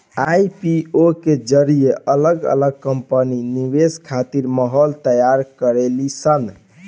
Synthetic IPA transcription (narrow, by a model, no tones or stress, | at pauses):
ajpioked͡ʒəɾijeʔələɡə̰ləɡ̚kəmpəniniʋeskʰat̪iɾməɦɔlt̪əjaɾkəɾelisən